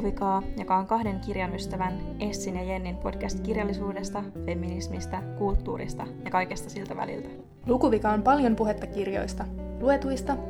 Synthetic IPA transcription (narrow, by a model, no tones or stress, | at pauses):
ʋikɑːjo̞kɑo̞ŋkɑhde̞ŋkirjɑnyst̪æʋæne̞ssinjɑje̞nːinpo̞d̥k̟æst̪kirjɑlːisuːde̞st̪ɑfe̞mːinismist̪ɑkult̪ːuːɾḭst̪ɑjɑkɑjke̞st̪ɑsilt̪æʋæ̰lḭlt̪æ̥ | lukuʋikɑompɑljo̞mpuɦet̪ːɑkirjo̰jst̪ɑlue̞t̪ujst̪ɑ